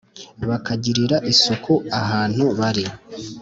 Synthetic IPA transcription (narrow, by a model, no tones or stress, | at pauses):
βakʰaɟiɾiɾaʔiso̞kʰoaɦaːn̥huβaɾi